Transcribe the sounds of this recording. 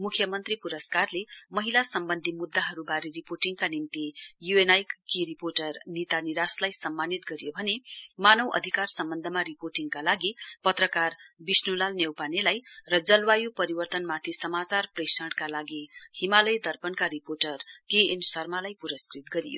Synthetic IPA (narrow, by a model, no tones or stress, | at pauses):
mukʰjʌmʌnt̪ripuɾʌskarlemʌɦilasʌmbʌnd̪ʱimud̪ːaɦʌɾubaɾiriporʈiŋkanimt̪ijuenajkkiɾiporʈʌrnit̪aniɾaslajsʌmːanit̪ɡʌɾijobʱʌnemanʌwʔʌ̰d̪ʱikarsʌmbʌnd̪ʱəmaɾiporʈiŋɡkalaɡipʌt̪rʌkarbisnulalnjewpanelajrʌd͡zʌlwajupʌɾibʌrt̪ʌnmat̪ʰisʌmat͡sarpresʌɽkalaɡihimalʌjd̪ʱʌrpʌnkaɾiporʈʌrkeensʌrmalajpuɾʌskrit̪ɡʌɾijo̰